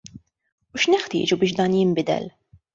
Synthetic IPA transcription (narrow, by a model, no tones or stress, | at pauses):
uʃnɛħt̪ɪ̰ːd͡ʒubɪːʃ̬d̪ɐːnjɪmbɪd̪ɛ̰l